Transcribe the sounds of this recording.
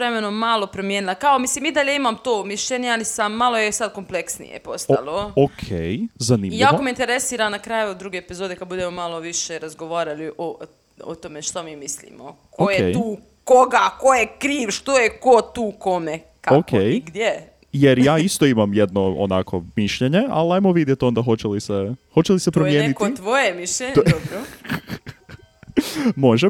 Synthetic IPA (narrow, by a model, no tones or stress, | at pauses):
ɾemenoːalˠo̞pɾomjeːnilˠakaomisliːmid̪aʎe̞imamt̪oːmiʃʎeɲealisamːalo̞jesad̪ko̞mple̞ksnḭjḛpost̪a̰lˠookʰejzaniːmʎjaiːkomeint̪eɾesiːɾamnakɾaːjud̪d̪ɾuːɡeepizoːd̪ekad̪̚bud̪emo̞malo̞ʋiʃeɾazɡoʋaːɾaliʔo | o̰t̪o̞meʃt̪omiːmislḭmo̰kojet̪uː | koɡakojekɾiːʋʃt̪ojekot̪uːko̞me | kaokʰejiɡd̪je | jeɾjaːist̪oimamjed̪noo̰nakʰo̰miʃʎeɲe̞a̰liajmoʋid̪jet̪o̞nd̪axo̞t͡ɕelisexot͡ɕelisep̪ɾomjeːnikot̪ʋojemiʃʎeɲdobɾo | moʒe